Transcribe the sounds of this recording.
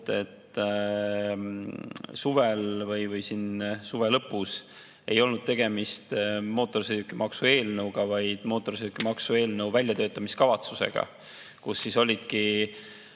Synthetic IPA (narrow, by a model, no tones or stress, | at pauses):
t̪e̞t̪ː | suvelvɤjvɤjsinsuve̞lɤpːˑus | e̞jo̞lnud̪̥̚t̪e̞ɡ̥e̞mist̪mo̞ːt̪ːˑo̞rsed̪ukːimɑksue̞ːlnɤwɡ̥ɑvɑjd̪̥mo̞ːt̪ːˑo̞rsid̪ukːˑimɑksue̞ːlnɤwvælʲjɑt̪øːt̪ˑːɑmiskɑvɑt̪suse̞̰ɡ̥ɑ̰ | kusːiso̞lʲid̪̥ki